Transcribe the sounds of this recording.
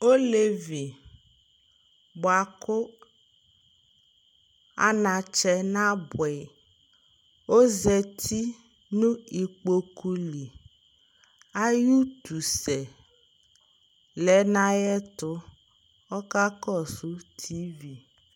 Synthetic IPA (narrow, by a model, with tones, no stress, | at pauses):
o˦le˦vi˨ | bʊ˨a˨kʊ˦ | a̰˦nã˨t͡ʃɛ˦nã˦bʊ˨ɛ˨ | o˦zɛ˨tʰi˦ | nũ˦i˨k͡po˨ku˦li˨ | a˦ju˦tu˨sɛ˨ | lɛ˨˦nã˦jɛ˦tʊ˦ | ɔ˦ka˦kɔ˦˨sʊ˦tʰi˦vi˨